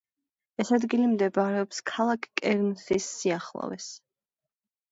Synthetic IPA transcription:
ɛsad̪ɡilimd̪ɛbaɾɛɔpskʰalˠakʰkʼːɛɾnsisːiaχlˠɔ̰vɛ̰s

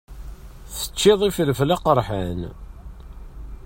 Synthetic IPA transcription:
θə̥t͡ʃːɪðˤifələflaqəɾˤħan

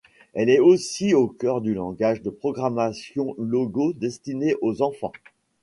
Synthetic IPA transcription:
ɛlɛosiokʲœʁd̪ylɑ̃ɡaʒd̪əpχɔɡʁamasjɔ̃lɔɡod̪ɛst̪ineʔozɑ̃fɑ̰̃

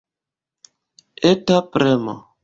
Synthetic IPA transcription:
etapɾɛmɔ̰

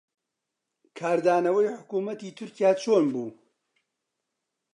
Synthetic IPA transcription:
kʰaːɾd̪aːnɐwɐjħʊkuːmɐt̪iːt̪ʰʊɾcijaːt͡ʃʰoːnbuː

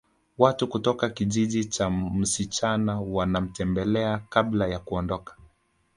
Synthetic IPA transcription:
watukutɔkakiʄiʄit͡ʃam̩sit͡ʃanawanam̩tɛmbɛlɛakablajakuɔndɔkḁ

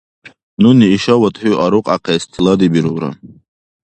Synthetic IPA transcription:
nuniːʃawat̪hiuʔaɾuqʼaqʰɛist̪ʰilad̪ibiɾuɾa̰

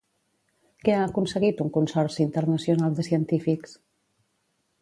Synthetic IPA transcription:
kɛaːkunsəɣit̪uŋkunsɔɾsint̪əɾnəsiunalˠd̪əsiənt̪ifiks

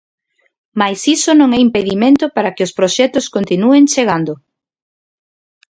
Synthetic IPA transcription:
majsisonõŋɛimpeðimẽnt̪ʊpaɾakɪospɾoʃɛt̪ʊskont̪inueŋt͡ʃeɣ̞and̪ʊ

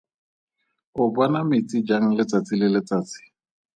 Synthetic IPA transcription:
ʊbɔnamɪt͡sʼid͡ʒaŋ̩lɪt͡sat͡sʼɪlɪlɪt͡saːt͡sɪ̥

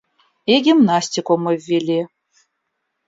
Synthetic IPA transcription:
iɡʲimnasʲtʲikoməvʲːilʲi

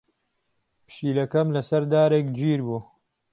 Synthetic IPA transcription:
pʃiːlɐkɐmlɐsɐɾd̪aːɾekd͡ʒiːɾbuː

